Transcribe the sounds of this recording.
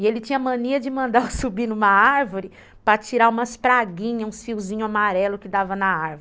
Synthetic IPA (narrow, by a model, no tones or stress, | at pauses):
ɪelɪt͡ʃĩɲɐmɐ̃niɐd͡ʒɪmɐ̃nd̪aɾʊsubinũmɐaɾvoɾɪ | pɾɐt͡ʃiɾaũmɐspɾaɡĩɲɐũsfiwzĩɲʊamaɾɛlʊkɪd̪avɐnɐaɾvʊɪ